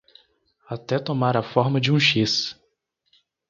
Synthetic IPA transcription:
at̪ɛt̪omaɾafɔɾmɐd͡ʒɪũʃis

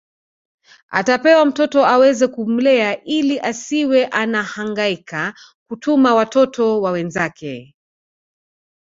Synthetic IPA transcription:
a̰tapɛwam̩tɔtɔawɛzɛkum̩lɛaʔiliʔasiwɛʔanahaŋɡaika | kutumawatɔtɔwawɛnzakʰɛ

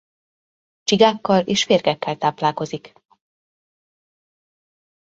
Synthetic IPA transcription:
t͡ʃiɡaːkːɒleːʃʋeːrɡɛkːɛlt̪aːplaːko̞zik

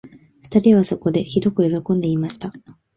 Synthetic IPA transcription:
ɸɯ̟̥t̪aɾʲiβ̞aso̞ko̞d̪e̞çid̪o̞kɯ̟jo̞ɾo̞kõ̞nd̪e̞imaɕi̥t̪a

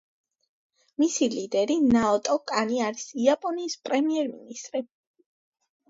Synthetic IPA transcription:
misilid̪ɛɾinaɔt̪ʼɔkʼaniaɾisiapʼɔniːspʼɾɛmiɛɾmḭnist̪ʼɾi

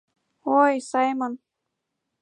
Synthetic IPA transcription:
ojsɑjmɤn

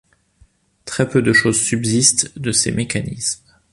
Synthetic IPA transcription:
t̪χɛpød̪əʃozsybzist̪d̪əsḛmʔekanḭsm

